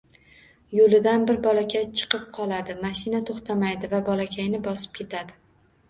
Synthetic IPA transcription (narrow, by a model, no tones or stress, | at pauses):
jolɪd̪anbɪɾbɒlakʲajt͡ʃʰɨ̥qɨp̚qʰɒlˠad̪ɪmaʃɪnat̪ʰoχt̪ʰamajd̪ɪvabɒlakʲʰajnɪbɒsɪ̥p̚kʲʰe̞t̪ʰad̪ɪ